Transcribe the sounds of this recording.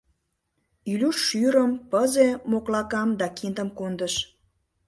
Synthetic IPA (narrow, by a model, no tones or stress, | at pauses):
ylʲyʃːyɾəmpəzemoklɑkɑmd̪ɑkind̪əmkond̪əʃ